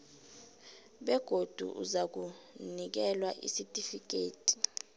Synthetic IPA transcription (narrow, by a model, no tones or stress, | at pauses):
ɓɛɡ̥ʱod̥ʱṵʔṵzak̬unik̬ɛlwaʔḭsitʼifik̬ʼeːtʼi̥